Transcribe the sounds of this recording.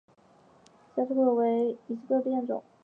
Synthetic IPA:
sa˥t̪ʰə˥k̪ʰɤ˥˩we˧˥ɪi˨˩s̩ʰ˥˧ɤ˥˧p̪jɛ˥˩nʈ͡ʂʊ̰˨˩˦ŋ

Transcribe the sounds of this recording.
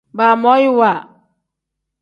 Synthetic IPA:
ba˨mɔ˦ji˦wa˨

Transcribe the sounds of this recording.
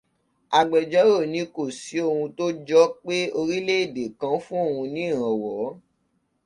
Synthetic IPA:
a˨ɡ͡bɛ˨d͡ʒɔ˨˦ɾo˦˨nĩ˧ko˦˨si˨˦o˧hũ˧to˦d͡ʒɔ˦k͡pe˦o˧ɾi˦le˦e˦˨de˨kã˧fũ˦o˦˨ũ˧nĩ˦˨ɾ̃ã˨wɔ˨˦

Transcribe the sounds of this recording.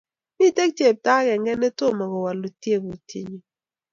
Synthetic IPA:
mi˦te˦k̚t͡ʃe˨p̚ta˦kɛ˨ŋɛ˦nɛ˦to˦˨mɔ˨ɣɔ˨wa˨lu˨tje˦˨bu˨tʰi˦ɲi˨

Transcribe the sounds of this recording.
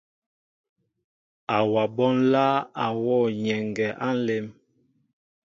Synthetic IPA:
a˨wa˨bɔ˦nla˦a˨wɔ˦˨ɲɛ˨ŋɡɛ˨ʔa˦n̩˦le˦m

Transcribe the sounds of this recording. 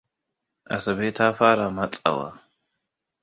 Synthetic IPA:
ʔɐ˨sɐ˨be˦tʰaː˦faː˦ɾa˨mɐ˦t͡sʼa̰˨wa̰˨

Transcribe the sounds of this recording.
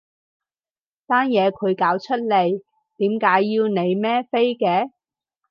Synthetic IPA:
t̪aː˥njɛː˨˧kʰɵ˨˧ɥkaː˨˥wt͡ʃʰɵ˥t̚le˨˩j | t̪iː˨˥mkaː˨˥jːiː˧wne˨˧jmɛː˥fe˥jkɛː˨˧

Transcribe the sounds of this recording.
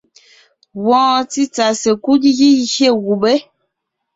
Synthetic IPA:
wɔ̃ː˦t͡si˦t͡sa˨se˨ku˦dɣi˦hje˦˨ɣu˨be˦

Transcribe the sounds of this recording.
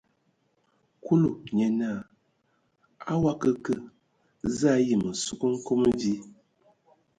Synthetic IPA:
ku˦lu˨ɲɛ˨na˦˨ | a˦wa˦kə˦kə˦˨ | za˦ji˨mə˨su˦kə˦ŋ̩˦ko˦m˦vi˦

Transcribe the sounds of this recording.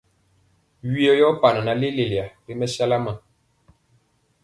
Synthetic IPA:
ɥi˦ɔ˨jɔ˦pa˨na˨na˨li˦le˨li˨a˨li˦mɛ˦sa˦la˦ma˨

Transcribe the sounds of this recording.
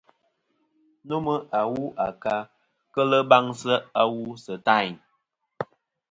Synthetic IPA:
nu˦mə˦ʔa˨wu˦ʔa˨ka˦ | kə˦lə˦ba˦ŋsə˦a˦wu˦sə˨ta˦˨ɲ

